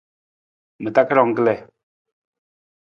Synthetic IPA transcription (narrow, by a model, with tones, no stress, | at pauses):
mə˨ta˦kə˦ɾɔ˦˨ŋ̩˦kə˦lɛ˦˨